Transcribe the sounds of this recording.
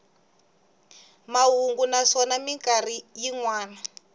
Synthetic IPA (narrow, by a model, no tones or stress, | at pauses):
maɦuŋɡunaʂɔnamiŋkarijiŋwaːna